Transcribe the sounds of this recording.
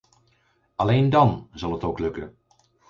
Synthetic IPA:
ɑlejndɑnzɑlˠɦətowklɵkə̰

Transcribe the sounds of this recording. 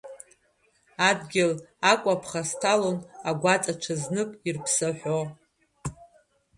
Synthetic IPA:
adɡʲɪlakʷʼapʰχastʰalonaɡʷat͡sʼaʈ͡ʂʷʰaznɨkʷʼirpʰsɨħʷᶣo

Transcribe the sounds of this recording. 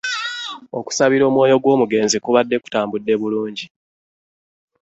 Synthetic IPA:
o̞ku̥saβiɾo̞ːmwo̞ːjo̞ɡwo̞ːmuɡe̞ːnzikuβadːe̞ku̥taːmbudːe̞βuluːɲɟi

